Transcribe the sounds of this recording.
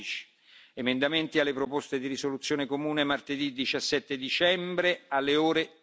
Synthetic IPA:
t͡ʃi̥ | emend̪ament̪ialːepɾopost̪ed̪iɾisolut̪sːjoːnekomuːnemart̪ed̪id̪it͡ʃasːɛt̪ːed̪it͡ʃɛmbɾealːeoːɾe

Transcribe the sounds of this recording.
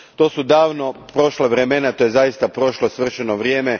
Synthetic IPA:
t̪o̞ːsud̪aːʋno̞pɾo̞ʃlaʋɾemenat̪ojezaist̪apɾo̞ʃlosʋr̩ʃenoʋɾjeːme

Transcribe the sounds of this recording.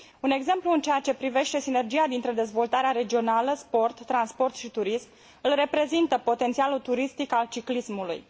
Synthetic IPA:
une̞ɡze̞mpluɨnt͡ʃejat͡ʃe̞pɾive̞ʃt̪e̞sine̞rd͡ʒijad̪int̪ɾe̞d̪e̞zvo̞lt̪aɾeaɾe̞d͡ʒio̞naləspo̞rt̪ːɾanspo̞rt̪ʃit̪uɾism | ɨlre̞pɾe̞zint̪əpo̞t̪e̞nt̪sialut̪uɾist̪ikalt͡ʃiklismulṵj

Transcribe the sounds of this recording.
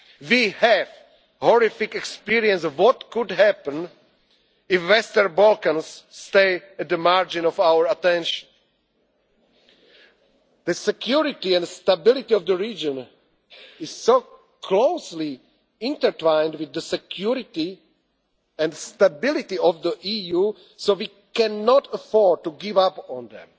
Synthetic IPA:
wihɛv | hɔɹɪfɪkɛkspiɹiɛ̃nswɔtkʊdɦæpə̃n | ɪfwɛstəɹbɔlkãnsːteɪɛt̪̚ðəmaɹd͡ʒĩnɔvawə˞at̪ɛ̃nʃə̥̃n | ðəsɛkʰjuɹɪtiɛ̃ndst̪abɪlˠɪt̪iɔvðəɹid͡ʒɔ̃n | ɪz̥soʊ | kʰloʊsli | ɪ̃ntə˞tãɪ̃ndwɪðəsɛkʰjuɹɪti | ɛ̃ndstabɪlɪtiɔvðəʔiju | sowi | kɛ̃nːɔtʰəfɔɹd̚tuɡɪvapɔ̃nðɛ̰̃m

